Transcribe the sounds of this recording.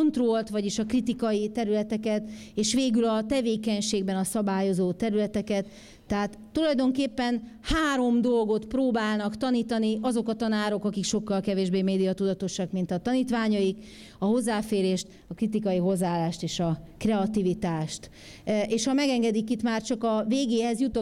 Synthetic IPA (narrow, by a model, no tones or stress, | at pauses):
nt̪rolt̪ʋɒɟiʃɒkrit̪ikɒjit̪ɛɾylɛt̪ɛkɛt̪eːʃʋeːɡylɒt̪ɛveːkɛɲʃeːɡbɛnɒsɒbaːjo̞zoːt̪ɛɾylɛt̪ɛkɛt̪ː | ɛɦaːt̪ːulɒjd̪o̞ŋkeːpːɛn | haːɾo̞md̪o̞lɡo̞t̪proːbaːlnɒkt̪ɒniːt̪ɒniʔɒzo̞kɒt̪ɒnaːɾo̞kɒkikʃo̞kːɒlkɛveːʒbeːmeːd̪ijɒt̪ud̪ɒt̪o̞ʃɒkmint̪ɒt̪ɒniːt̪ʋaːɲɒjik | ɒɦo̞zːaːfeːɾeːʃt̪ | ɒkrit̪ikɒjiɦo̞zːaːlːaːʃt̪eːʃɒkrɛɒt̪ivit̪aːʃt̪ | eːʃhɒmɛɡɛŋɡɛd̪ikit̪maːrt͡ʃɒkɒveːɡeːɦɛzjut̪o